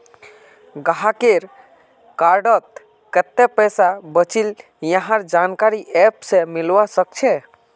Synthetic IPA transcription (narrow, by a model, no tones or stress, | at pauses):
ɡaɦakeɾ | kaɾɖət̪̚ | kət̪ːɛpɛsabət͡ʃil | jəɦãɾd͡ʒankaɾiʔɛpsẽmilʋasək̚t͡ʃʰɛ